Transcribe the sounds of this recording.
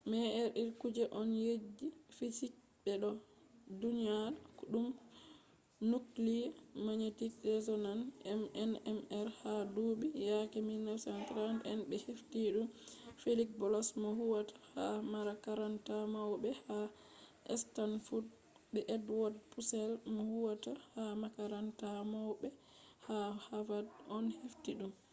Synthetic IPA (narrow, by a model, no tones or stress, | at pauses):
mɛʔɛɾiɾkud͡ʒɛʔɔnjed͡ʒːifit͡ʃi | bɛɗɔ | duniaɾkuɗum | nuklimaɲetiɗɛzɔnanɛmɛnɛmɛɾhadubijakɛminafsɛntɾantɛnbɛheftiɗumfelikbɔlɔsmɔhuwatʰḁhamaɾakaɾantamawbɛha | ʔɛ̰stanfud | bɛʔɛdwɔd̚pusɛlmɔhuwatahamakaɾantamawbɛ | hahavadɔnheftiɗum